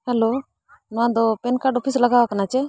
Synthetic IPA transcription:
ɦɛloː | nãːd̪openkaɖɔːpʰiːsləɡaːʋakɐnaːt͡ʃɛ

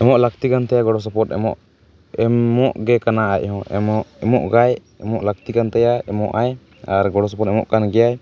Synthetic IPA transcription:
ɛmɔʔlakt̪ikant̪ɛjaɡɔɽɔs̬ɔpɔɾt̪ɛ̰mɔ̰ʔ | ɛmɔʔɡɛkanaaʔ̚ˀhɔ̃ɛ̰mɔʔɛmɔʔɡaj | ɛmɔʔlak̚t̪ikant̪ɛjaɛmɔ̰ʔaj | aɾɡɔɽɔs̬ɔpɔɾt̪̚ɛmɔʔkanɡɛjaj

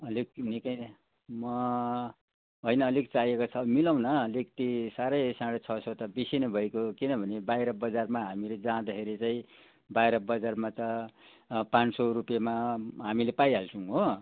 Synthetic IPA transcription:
ʌlik̚nikʌj | mʌ | ɦojnʌːlik̚t͡sajekot͡sʰʌbʌmilaw̃nʌlekt̪isaɾʌjsãɽʌt͡sʰʌsʌt̪ʌbisinʌbʱʌekokinʌbʱʌnebajɾʌbʌd͡zarmaɦamiled͡zãd̪ʌkʰeɾit͡saĩ | bajɾʌbʌd͡zarmat̪ʌ | pãnt͡ssoɾupjamaɦamilepajɦalt͡sʰʌwɦo

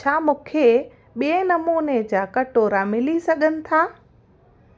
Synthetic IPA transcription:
t͡ɕʰaːmʊ̃ːkʰe | ɓiẽnɐmuːned͡ʑaːkɐʈoːɾamɪlisɐɠʱənɪ̆t̪ʰaː

